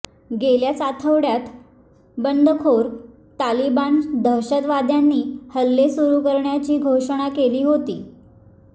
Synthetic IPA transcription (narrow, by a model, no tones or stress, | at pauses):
ɡeljat͡sat̪ʰəʋɽjat̪ | bənd̪ʱəkʰoɾ | t̪ːaliband̪ʱəɾɕət̪ʋad̪ʱjanːiːhəlːesuɾuːkəɾɳjat͡ɕiːɡʱoʂəɽ̃akeliːɦot̪iː